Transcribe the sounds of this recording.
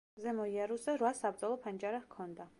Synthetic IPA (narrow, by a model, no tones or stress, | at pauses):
zɛmɔiaɾuszɛɾwasabɾd̪ɛlˠɔpʰand͡ʒaɾakʰɔnd̪a